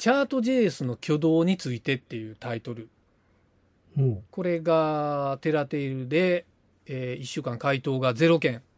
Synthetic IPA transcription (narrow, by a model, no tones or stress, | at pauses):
t͡ɕaːt̪o̞ʑeːsɨno̞kʲʰo̞d̪o̞ːɲ̟it͡sɨit̪e̞t̪ːe̞jɯ̟ːt̪ait̪o̞ɾɯ̟ | ko̞ɾe̞ɡat̪e̞ɾat̪e̞iɾɯ̟d̪e̞ː | iɕːɨːkãŋkait̪o̞ːɡaze̞ɾo̞kẽ̞ŋ